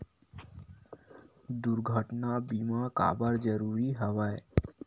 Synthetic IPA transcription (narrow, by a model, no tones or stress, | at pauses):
d̪uɾɡʱəʈnabimaka̰baɾd͡ʒəɾuɾiɦəwae